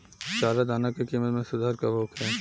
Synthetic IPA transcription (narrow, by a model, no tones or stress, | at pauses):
t͡ʃaːɾad̪ʱaːnakekimət̪mẽsʊd̪ʱaːɾkabʱoːkʰɛː